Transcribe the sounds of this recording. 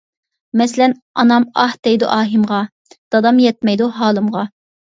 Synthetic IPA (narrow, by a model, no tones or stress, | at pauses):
mɛslɛnɑnɑmɑhd̪̥ɛjd̪ṵʔɑːɦimʁɑ | d̪̥ɑd̪ɑmjɛt̪̚mɛjd̪uɦɑːlˠɨmʁɑ